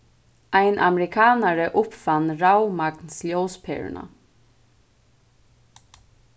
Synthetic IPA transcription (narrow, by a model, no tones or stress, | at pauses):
aɪnʔamɛɾɪkʰaːnaɹəʔʊpfanːɹawmaknsljowspʰɛ̰ːɹ̰na̰